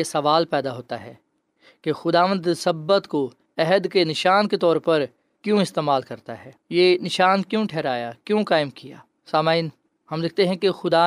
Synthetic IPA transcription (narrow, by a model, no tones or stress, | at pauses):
esɐʋaːlpɛːd̪aɦoːt̪aɦɛ̰ː | kexʊd̪aːʋə̃nd̪səbːət̪ko | ɛɦəd̪kenɪʃaːnket̪ɔːɾpɐɾ | kjõɪst̪eːmaːlkɐɾt̪aɦɛːjenɪʃaːnkjõːʈʰɛːɾaːjakjõkaːɪmkija̰ː | saːmaːɪn | hɐmlɪk̚ʰt̪eɦɛ̃kexʊd̪a